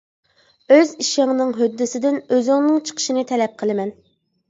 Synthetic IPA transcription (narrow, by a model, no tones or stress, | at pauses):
øziʃɪŋnɨŋɦød̪ːɪsɪd̪ɪnøzɪŋnɨŋt͡ʃʰə̥qʰə̥ʃinɨt̪ʰɛlɛp̚qʰəlˠɨmɛn